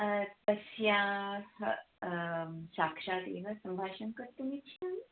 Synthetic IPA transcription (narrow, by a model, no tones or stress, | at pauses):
p̪əsjãh | saːkʂaːt̪ḛːʋasəmbʱaːʃɐnkəɾt̪umit͡ɕʰa